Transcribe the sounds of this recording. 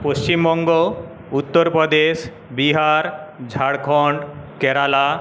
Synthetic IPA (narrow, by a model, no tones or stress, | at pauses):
post͡ɕimbɔŋɡo | ut̪ːɔɾpɾɔd̪eʃ | biɦaɾd͡ʑʱaɽkʰɔɳɖkɛɾala